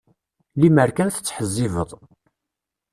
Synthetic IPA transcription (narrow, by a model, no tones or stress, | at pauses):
liməɾkænθə̥t͡sːħəzːɪvəðˤ